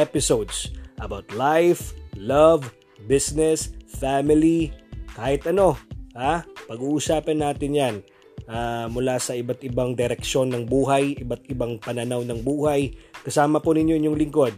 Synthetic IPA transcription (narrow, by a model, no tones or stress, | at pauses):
ɛpɪsowd̪sʔɐbawt̪lajflɐv | bɪsnɛsfamɪlikaːhɪt̪ʔɐno̞hapɐɡuːʔusaːpɐnːaːt̪ɪnjan | ʔaːmʊlasɐʔɪbat̪ʔɪbaŋd̪ɛɾɛkʃo̞nːɐŋbuːɦɐjɪbat̪̚ɪbaŋpɐnɐnawnɐŋbuːhajkɐsaːmɐponɪɲjoʔinjoŋlɪŋko̞d̪̚